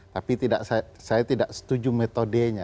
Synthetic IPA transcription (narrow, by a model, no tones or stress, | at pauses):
t̪apit̪idaʔsa | sajat̪idaʔsə̥t̪ud͡ʒumet̪odeɲa